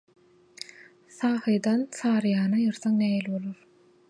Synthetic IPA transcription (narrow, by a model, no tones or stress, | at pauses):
θɑːxɯjd̪ɑnsɑːɾɯjɑːnɑjɯɾθɑŋnæːjilβolˠoɾ